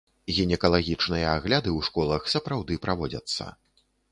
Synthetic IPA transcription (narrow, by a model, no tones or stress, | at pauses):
ɣʲinʲɛkɐlˠaɣʲit͡ʂnɨjɐaɣlʲad̪ɨwʂkɔlˠɐxsɐpɾawd̪ɨpɾavɔd͡zʲɐ̰t̪sːɐ̰